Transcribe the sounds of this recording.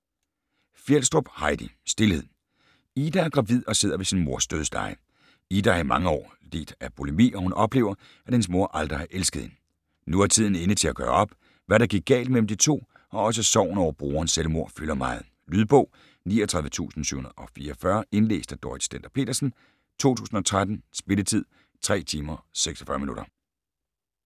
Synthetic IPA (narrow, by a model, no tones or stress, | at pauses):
fjelsd̥ʁob̥hɑ̈ɪd̥isd̥e̝lhe̝ð̰ˠ | iːd̥ææɐɡ̥ʁɑ̈ʋið̞̰ˠɒ̽se̝ð̞ˠɐʋe̝sinmo̝ɐsd̥øð̞ˠsd̥ɑ̰̈ɪ | id̥ææɐimɑ̈ŋəɒ̰ː | le̝̰ːd̥æpʰo̝lemḭːɒ̽hunʔɒ̽b̥le̝ːʊɐ | æ̥hens̬mo̝ɐʔɑld̥ʁɐæʔelsɡ̥ð̩ˠhe̝n | nuæɐt͡sʰið̞̰ˠn̩enət͡sʰe̝læɡ̥ɶːɐɒ̽b̥ | ʋæɾɑ̈ɡ̥iɡ̚ɡ̥ɛ̰ːld̥̚mel̰m̩d̥it͡sʰo̝̰ː | ɒ̽ɒ̽s̬əsɒʊ̰n̩ɒʊ̰ɐb̥ʁoːɐn̩selmo̝ɐ̰fylɐmɑ̈ːð̞̩ˠ | lyðˠb̥ɔ̽ʊ̰ | nḭːɐt͡sʰʁɑ̈ðˠʋət͡sʰṵːsn̩sy̰hunɐð̩ˠɒ̽fiːɐfɶɐe̝nle̝̰ːsd̥æd̥ɒːi̥sd̥en̰d̥ɐpʰe̝̰ːɾ̥ɐsn̩ | t͡sʰo̝̰ːt͡sʰṵːsn̩ɒ̽t͡sʰʁad̥n̩sb̥e̝lət͡sʰið̞̰ˠ | t͡sʰʁɛ̰ːt͡sʰiːmɐseɡ̥sɒ̥fɶɐminuɾ̥ɐ